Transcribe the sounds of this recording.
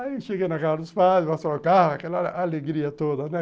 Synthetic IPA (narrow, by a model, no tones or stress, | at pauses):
aiʃeɡejnɐkaɾɐd̪ʊspazpast̪oʊkahɐakɛlɐaleɡɾiɐt̪od̪ɐnɛ